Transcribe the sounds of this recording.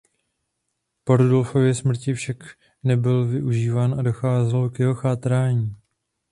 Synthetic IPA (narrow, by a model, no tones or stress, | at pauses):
po̞ɾudo̞lfo̞vjɛsmr̩cɪfʃak | nɛbɪlvɪʔuʒiːvaːnʔado̞xaːzɛlo̞kjɛɦo̞xaːt̪ɾaːɲiː